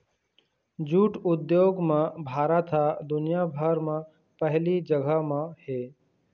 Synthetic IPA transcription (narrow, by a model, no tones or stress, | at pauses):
d͡ʒuːʈʊd̪joːɡmãbʱaːɾat̪ʰad̪ʊnɪjabʱəɾmã | pəɦlid͡ʒəɡʱəmãheː